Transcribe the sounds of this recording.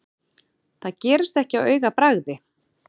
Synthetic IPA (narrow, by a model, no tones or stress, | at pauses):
θaðcɛːɾɪst̪ɛhcɪawœːɥɣapɾaɣðɪ